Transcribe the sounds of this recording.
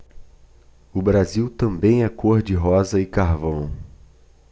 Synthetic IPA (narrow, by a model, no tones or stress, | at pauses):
ʊbɾaziwt̪ɐ̃mbẽj̃ɛkoɾd͡ʒɪɦɔzɐɪkaɾvɐ̃w̃